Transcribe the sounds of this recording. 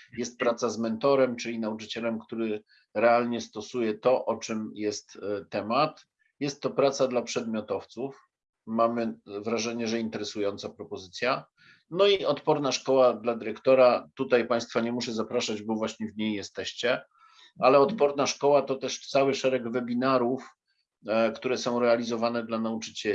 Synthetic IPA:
jɛst̪̚pɾat̪sazmɛnt̪ɔɾɛmt͡ʂɘlʲinaut͡ʂɘt͡ɕɛlɛmkt̪uɾɘ | ɾɛalɲɛst̪ɔsujɛt̪ɔʔɔt͡ʂɘmjɛst̪t̪ːɛmat̪ | jɛst̪ːɔpɾat̪sad̪lapʂɛd̪̚mʲjɔt̪ɔft̪suf | mamɘvɾaʐɛɲɛʐɛint̪ɛɾɛsujɔnt̪sapɾɔpɔzɘt̪sʲja | nɔiɔt̪pɔɾnaʂkɔwad̪lad̪ɘɾɛkt̪ɔɾat̪ut̪ajpaj̃st̪faɲɛmuʂɛzapɾaʂad͡ʑbɔvwaɕɲɛvɲejjɛst̪ɛɕt͡ɕɛ | alɛɔt̪pɔɾnaʂkɔwat̪ɔt̪ɛʂt̪sawɘʂɛɾɛɡvɛbʲinaɾuf | kt̪uɾɛsɔ̃w̃ɾɛalʲizɔvanɛd̪lanaut͡ʂɘ̥t͡ɕɛi

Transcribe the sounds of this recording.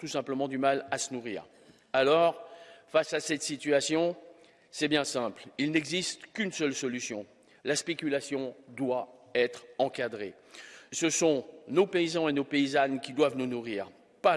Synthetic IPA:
t̪usɛ̃pləmɑ̃d̪ymalasənuʁḭːʁ | alɔʁfasasɛt̪sit̪ɥasjɔ̃ | sɛbjɛ̃sɛ̃plilnɛɡzist̪kʲynsœlsɔlysjɔ̃ | laspekʲylasjɔ̃d̪waɛt̪χɑ̃kad̪ʁe | səsɔ̃nopeizɑ̃enopeizankʲid̪wavnunuʁiːʁ | pa

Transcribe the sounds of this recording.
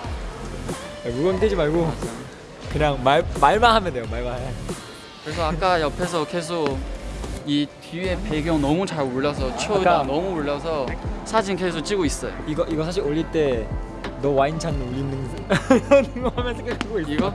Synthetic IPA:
amuɡʌntk͈ed͡ʑimaɭɡoad͡ʑ | kɯɲaŋmamaɭmaɦamjʌndejomaɭmaɦa | kɯɾes̬ʰʌakk͈ajʌpʰe̞s̬ʰʌke̞s̬ʰok̚ | itie̞pe̞ɡjʌŋnʌmut͡ɕaɭoɭːʌs̬ʰʌt͡ɕʰoanʌmuoɭːʌsʰʌsʰad͡ʑinke̞sʰok̚t͡ɕ͈iɡois͈ʌjo̰iɡʌʔiɡʌsʰaɕ̬ʰiɾoʎːiɭt͈e̞ | nʌwaint͡ɕʰanoʎːinːɯn | nŋɡʌhamjʌnsʰeŋketuɡoiiɡʌ

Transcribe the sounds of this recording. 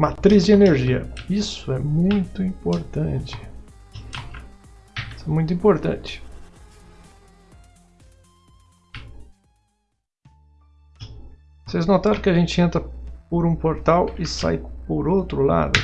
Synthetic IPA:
mat̪ɾizd͡ʒɪeneɾʒiɐ̰isʊɛmũj̃t̪ʊĩpoɾt̪ɐ̃t͡ʃɪ̥ | isʊɛmũj̃t̪ʊĩpoɾt̪ɐ̰̃t͡ʃɪ̥ | seznot̪aɾ̃kɪaʒẽnt͡ʃɪẽnt̪ɾɐpoɾũpoɾt̪awɪsa̰jpoɾowt̪ɾʊla̰d̪ʊ̰

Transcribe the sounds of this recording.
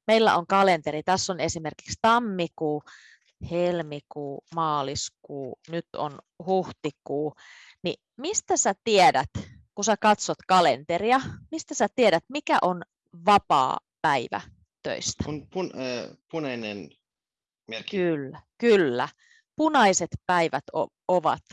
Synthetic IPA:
meilːæ̰ʔoŋkɑlent̪eɾit̪æsːonesimerki̥kst̪ɑmːikuː | helmikuːmɑːliskuːnyt̪o̰n | huht̪ikuː | nḭ | mist̪æsæt̪iedæt̪kusækɑt̪sot̪kɑlḛnt̪eriɑmist̪æsæt̪ieɾæt̪mikæʔon | ʋɑpɑ̰ːpæiʋæ̰ | t̪ø̰ist̪æ̥npunpunɑinen | mekylːækylːæ̰ | punɑiset̪pæiʋæt̪o̰ | oʋɑ̰t̪

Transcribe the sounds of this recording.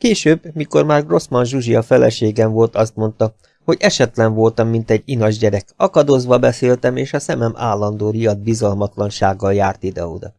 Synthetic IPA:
keːʃøːbmiko̞rmaːrro̞smɒnʒuʒijɒfɛlɛ̰ʃeːɡɛɱvo̞lt̪ɒst̪mo̞nt̪ɒ | ho̞ɟɛʃɛt̪lɛɱvo̞lt̪ɒmːint̪ɛɟːinɒʒɟɛɾɛkɒkɒd̪ozʋɒbɛseːlt̪ɛmeːʃɒsɛmɛma̰ːlːɒn̪d̪oːɾijɒd̪̚bizɒlmɒt̪lɒnʃaːɡːɒljaːrt̪id̪ɛ̰o̰d̪ɒ

